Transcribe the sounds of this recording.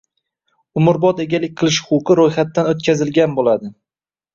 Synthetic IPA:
ʊmʊɾbɒt̪e̞ɡʲalɪk̚ʲqʰɨlˠɪʃqʊqɨɾojχat̪ːanot̪̚kʲʰazɪlɡʲanbolad̪ɪ

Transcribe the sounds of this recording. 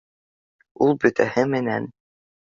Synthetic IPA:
ulˠbɵ̆t̪æhɘmɘ̆næn

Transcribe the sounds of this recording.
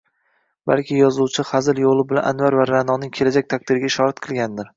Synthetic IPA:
ba̰lˠkʲɪjɒzuwt͡ʃʰɪχazɪljolˠɪbɪlanʔanvaɾvaɾanɒnɪŋkʲʰe̞lad͡ʒak̚ʲt̪ʰak̚ʲd̪ɪɾɪɡʲaɪʃɒɾat̪qʰɨlˠɡʲand̪ɪɾ

